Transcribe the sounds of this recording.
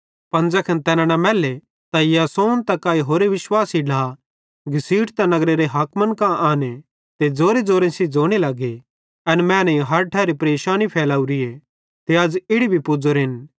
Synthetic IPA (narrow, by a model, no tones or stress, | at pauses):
pɐ̃nd͡zɐkʰɐnt̪ɛːnãnɐmɛːle | t̪ajasoːnt̪ɐkaːiɦoːɾeʋɪʃwaːsiɖaː | ɡʱɪsiːʈt̪ɐnɐɡɾeɾeɦɐkmɐnkãʔaːne | t̪ed͡zoːɾed͡zoːɾẽsid͡zoːɽ̃elɐɡe | ɐnmɛ̃ːnɐ̃ĩɦɐɾʈʰɛːɾipɾeːʃaːnipʰɛːlaːuɾie | t̪eɐd͡zɪɽibʱipʊd͡zoɾɦɪn